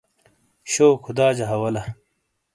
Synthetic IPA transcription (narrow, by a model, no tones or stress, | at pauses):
ɕoːkʰud̪aːd͡ʑɐɦɐwɐlɐ